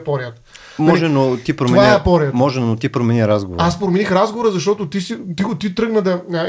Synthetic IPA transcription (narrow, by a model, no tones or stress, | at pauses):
pɔɾʲjət̪ | mɔʒɛnot̪ipɾomoɛvniɛɛpɔɾjət̪mɔʒɛnot̪ipɾomɛniɾazɡovoaspɾominixɾazɡovoɾəzɐʃt̪ɔt̪ʊt̪isit̪iɡʊt̪it̪ɾɤɡnəd̪ɐə